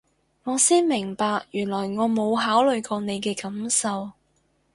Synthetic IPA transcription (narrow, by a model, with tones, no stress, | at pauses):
ŋɔː˨˧siː˥nmɪ˨˩ŋpaː˧k̚jyː˨˩nlɔː˨˩jŋɔː˨˧mo˨˧wɦaː˨˥wlɵ˨ɥkɔː˧ne˨˧jkɛː˧kɐ˨˥msɐ˨w